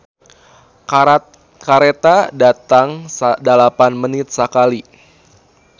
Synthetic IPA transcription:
kaɾet̪adat̪aŋsadalapanmənɪt̪̚sakali

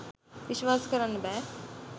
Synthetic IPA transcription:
ʋɪʃʋaːskɐɾənbɛː

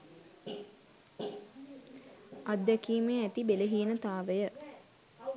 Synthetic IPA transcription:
ad̪ːækiːmeæt̪ibeləɦiːnət̪aːʋəjə

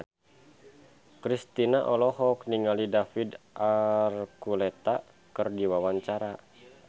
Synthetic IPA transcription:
kɾist̪inaʔɔlɔɦɔkniŋalidafidʔarkulɛt̪a | kɨrdiwawaɲt͡ʃaɾa

